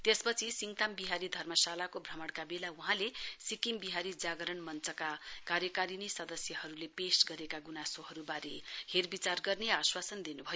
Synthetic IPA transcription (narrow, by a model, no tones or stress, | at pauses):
t̪espʌt͡sʰisiŋt̪ambiɦaɾid̪ʱʌrmʌsalakobʱrʌmʌɽkabelawuɦãlesikimbiɦaɾid͡zaɡʌɾʌɳmʌnt͡sʌkakarjʌkaɾinisʌd̪ʌsjʌhʌɾulepesʈɡʌɾekaɡunasoɦʌɾubaɾeherbit͡sarɡʌrneaswasʌnd̪inubʱʌjo